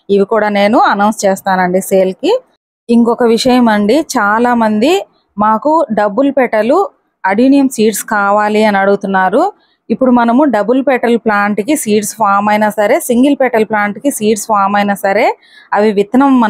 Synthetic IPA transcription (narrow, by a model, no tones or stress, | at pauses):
iʋikuːɽaːne̞ːnuɐnɐwnst͡ʃeːst̪aːnɐɳɖiseːlki | iŋkɔkɐʋiʂɐjɐmɐɳɖit͡ʃaːlaːmɐnd̪i | maːkuɖɐbːulpɛʈɐlu | ɐɽunijɐmsiːʈskaːʋaːliɐniɐɽuɡut̪unːaːɾu | ipːuɽumɐnɐmuɖɐbulpɛʈɐlplaːɳʈkisiːʈsʋaːmɐjnɐsɐɾe̞ːsiŋɡilpɛʈɐlplaːɳʈkisiːʈsʋaːmɐjnɐsɐɾe̞ː | ɐʋiʋit̪nɐmːɐ